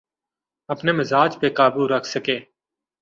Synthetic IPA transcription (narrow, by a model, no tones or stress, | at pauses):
əpneːmɪzaːd͡ʒpeːkaːbuːɾəkʰsəkeː